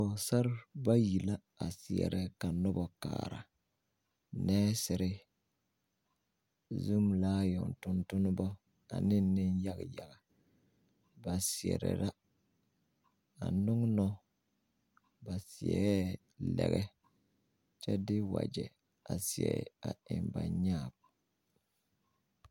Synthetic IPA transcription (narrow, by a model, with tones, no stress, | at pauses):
ɔ˨sa˦ɾba˦ji˨la˦ | a˨sɪ˨ɛ̰˨ɾɛ˦ka˨nɔ˦bɔ˨kaː˨ɾa˨ | nɛː˦sɪ˨ɾɪ˦ | zu˦mlaː˦jɔ˨ntʊ˦ntʊ˦nʊ˦bɔ˦ | a̰˨nɪ˦nɪ˦n˦ja˦ɡja˨ɡa˨ | ba˨si˨ɛ˨ɾɛ̰˨ɾa˦ | a˨nʊ˦ŋ˦nɔ˦ | ba˨si˨ɛ˨ɛ˦ | lɛ˨ɣɛ˦ | t͡ʃɛ˦dɪ˦wa̰˨d͡ʒɛ˨ | a˨si˨ɛ˨a˨ɪ˨mba˨ɲaː˦˨b